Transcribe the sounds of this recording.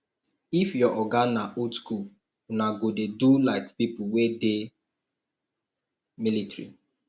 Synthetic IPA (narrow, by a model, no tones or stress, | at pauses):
ifjɔʔɔɡannːaʔotsku | naɡodedulaɪkpipʊwede | militɾḭ